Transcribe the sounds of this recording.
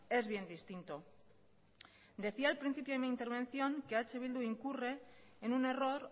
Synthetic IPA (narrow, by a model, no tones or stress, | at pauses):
e̞zβje̞nd̪ist̪int̪o | d̪e̞θialpɾin̟θipjoemiint̪e̞ɾβe̞n̟θjo̞ŋkeat͡ʃe̞βild̪uiŋkure̞ːnune̞ro̞ɾ